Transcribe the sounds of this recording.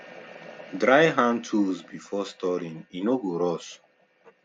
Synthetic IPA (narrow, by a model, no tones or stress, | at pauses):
dɾajɦãntʰuzbifɔstɔɾĩŋĩnoɡuɾɔs